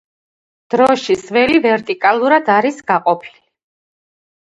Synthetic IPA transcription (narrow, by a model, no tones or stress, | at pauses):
d̪̥ɾɔʃisvɛlivɛɾt̪ʼikʼalˠuɾad̪aɾisɡaqʼɔpʰilii